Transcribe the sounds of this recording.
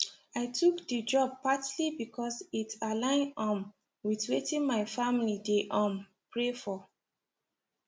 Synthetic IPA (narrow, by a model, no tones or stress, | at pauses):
aɪtukdəd͡ʒɔb̚patlibikʰɔsitalãɪ̃nɔ̃n | witwetĩnmaɪfamilideʔɔ̃n | pɹefɔ